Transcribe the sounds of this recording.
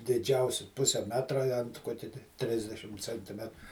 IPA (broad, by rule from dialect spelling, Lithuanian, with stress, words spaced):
dʲɪˈd͡ʒʲɛʊsʲɪ ˈpʊsʲɛ ˈmʲæːtrɐ ɪ ɐnt ˈkoːkʲɛ tʲɪ ˈtʲrʲɪzʲdʲɛʃʲɪm t͡sʲɛnʲtʲɪˈmʲɛt